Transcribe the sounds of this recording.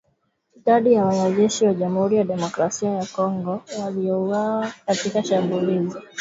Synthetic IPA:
iɗaɗijawanaʄɛʃiwaʄam̩huɾijaɗɛmɔkɾasiajakɔŋɡɔwaliɔuwaakatikaʃambulizi

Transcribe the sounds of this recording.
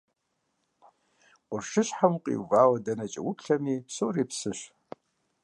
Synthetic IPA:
qʷʊrʃɨɕħamqʼḭːvaːwɐdɐnɐt͡ʃʼɐ̰wʊpɬɐmiːpsowriːpsɨɕ

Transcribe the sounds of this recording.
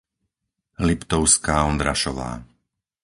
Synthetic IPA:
lipt̪ɔʊskaːɔnd̪ɾaʃɔʋa̰ː

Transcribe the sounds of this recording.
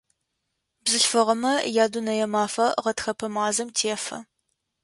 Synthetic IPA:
bzɨɬfɐʁɐmɐjaːduːnɐjɛmaːfɐʁɐtxɐpʰɐmaːzɐmtʰeːfɐ̰

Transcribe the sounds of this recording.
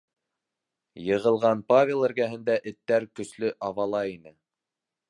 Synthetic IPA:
jɤ̆ʁɤ̆lˠʁɑnpavʲelˠɘ̆ɾɡæɦɘ̆nd̪æʔɘ̆t̪ːæɾkɵ̆slɵʔɑvɑlˠɑinɘ

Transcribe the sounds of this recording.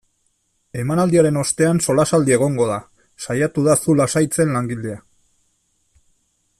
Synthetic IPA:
e̞manald̪iaɾe̞no̞st̪e̞anso̞lasald̪ie̞ɣ̞o̞ŋɡo̞ða | sajat̪uðasulasajt͡se̞nlaŋɡild̪ea

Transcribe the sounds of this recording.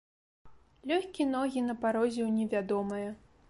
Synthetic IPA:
lʲɔxʲkʲinɔɣʲinɐpaɾɔzʲɛwnʲɛvʲad̪ɔmɐjɐ

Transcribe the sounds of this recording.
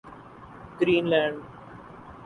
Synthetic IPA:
ɡɾĩːnlãːɳɖ

